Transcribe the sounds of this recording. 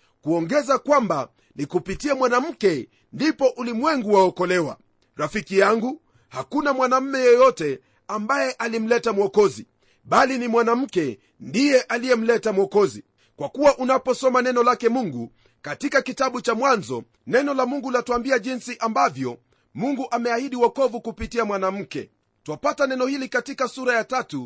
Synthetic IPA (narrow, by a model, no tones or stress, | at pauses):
kuɔŋɡɛzakwamba | nikupitiamwanam̩kɛ | ndipɔʔulimwɛŋɡuwaɔkɔlɛwa̰ | ɾafikijaŋɡu | hakunamwanam̩mɛjɛjɔtɛ | ambajɛʔalim̩lɛtamwɔkɔzi | ɓalinimwanam̩kɛ | ndijɛʔalijɛm̩lɛtamwɔkɔzi | kwakuwaʔunapɔsɔmanɛnɔlakɛmuŋɡu | katikakitaɓut͡ʃamwanzɔ | nɛnɔlamuŋɡulatuambiaʄinsiʔambavjɔ | muŋɡuʔamɛahiɗiwɔkɔvukupitiamwanam̩kɛ̰ | tuapatanɛnɔhilikatikasuɾajatatu